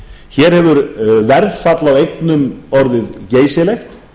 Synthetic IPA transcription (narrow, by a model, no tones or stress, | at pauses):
çɛːɾ̥hɛvʏɾvɛɾðfat̪lawejknʏmɔɾðɪðceːjsɪlejxt̪